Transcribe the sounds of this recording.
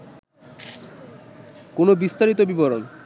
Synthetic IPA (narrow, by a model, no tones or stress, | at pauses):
konobist̪aɾit̪obiboɾon